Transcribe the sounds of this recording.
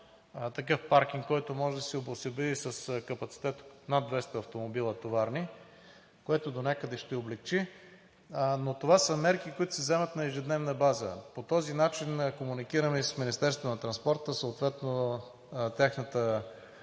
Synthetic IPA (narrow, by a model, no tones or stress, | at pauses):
t̪ɐk̬ɤfpaɾk̟ʲiŋkkːɔjt̪omɔʒɛd̪ɐsɛobosɛbɛd̪isəskɐpɐt̪si̥t̪ɛt̪nad̪vɛst̪ɐɐft̪omobilˠət̪ovaɾni | koɛt̪ʊd̪onʲakəd̪ɛʃt̪ɛoblɛk̚t͡ʃi | not̪ovasəmɛɾkikoit̪ʊ̥sɛzɛmɐt̪nɐɛʒɛd̪nɛvnəbazə̰pot̪ɔzinat͡ʃinkomunikiɾəmɛissminist̪ɛɾst̪vonɐt̪ɾɐnspɔɾt̪əsoːt̪vɛt̪no | t̪ʲaxnət̪ə